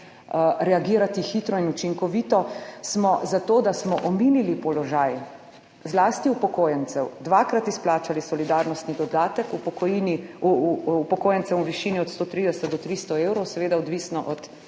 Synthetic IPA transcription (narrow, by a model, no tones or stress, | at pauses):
ɾɛaɡiːɾat̪ixit̪ɾɔinut͡ʃiŋkɔʋiːt̪ɔsmɔzat̪oːd̪asmɔʔɔminilipɔlɔʒaj | zlaːst̪iupɔkoːjɛnsɛwd̪ʋakɾat̪isplaːt͡ʃalisɔlid̪aɾnɔst̪nid̪ɔd̪aːt̪ɛkupɔkɔjini | pɔkoːjɛnsɛmuʋiʃiniɔt̪st̪oːt̪ɾid̪ɛsɛt̪̚d̪ɔt̪ɾist̪ɔewɾɔwsɛʋeːd̪aɔd̪ʋisnɔʔɔt̪